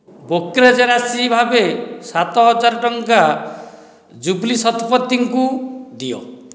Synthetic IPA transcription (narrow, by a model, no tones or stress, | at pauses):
bokɾed͡ʒeɾasibʱabesat̪ɔɦɔd͡ʒaɾɔʈɔŋka | d͡ʒublisɔt̪pɔt̪ːiŋkud̪iɔ̰